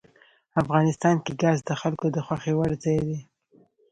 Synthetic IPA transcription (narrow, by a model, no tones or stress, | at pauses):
afɣɑnɪst̪ɑnkeɡɑzd̪əxalkod̪əxwaxewaɽzɑjd̪e